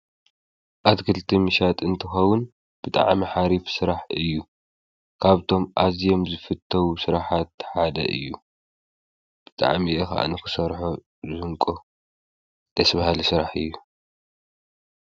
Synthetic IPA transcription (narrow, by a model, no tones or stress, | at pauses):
ʔat̪kʰɨlt̪ʰimɨʃat̪ʼɨnt̪ʰɨxɐwʊn | b̥ɨt̪ʼa̰ʕmiħaɾifsɨɾaħɨjːu | kʰaβt̪ʰo̞mʔazijo̞mzɨfɨt̪ʰːɐwusɨɾaħat̪ħad̪ɐ̰ʔɨ̰jːu | b̥ɨt̪ʼa̰ʕmiʔɛxa̰ʔa̰nɨxɨsɐɾħo | zɨhɨŋkʼo | d̪̥ɐsβahalisɨɾaħɨjːu